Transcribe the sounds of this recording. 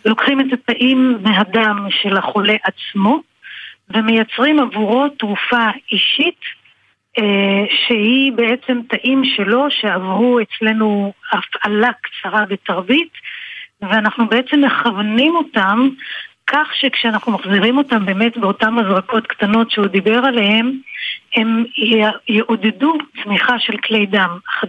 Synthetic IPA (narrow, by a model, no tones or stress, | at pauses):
lo̞kχimetataʔimːeɦadamʃe̞laχo̞le̞ʔat͡smo̞ | ve̞me̞jat͡sʁimavuʁo̞tʁufaiʃit | ʃe̞hibe̞ʔet͡se̞mtaʔimʃe̞lo̞ʃe̞avʁuet͡sle̞nuafʔalakt͡saʁabe̞taʁbit | veanaχnube̞et͡se̞mːeχavnimo̞tamkʰaχʃekʃeanaχnumaχziʁimo̞tambe̞metbeo̞tamazʁako̞tktano̞tʃeud̪ibe̞ʁale̞he̞me̞m | jeʔodedut͡smiχaʃe̞lklejdamaχa